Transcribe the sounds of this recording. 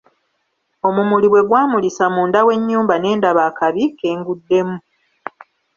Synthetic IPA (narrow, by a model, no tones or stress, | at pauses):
o̞mumuliβwe̞ɡwaːmulisamuːndawe̞ɲːuːmbane̞ːndaβaːkaβike̞ːŋɡudːe̞mu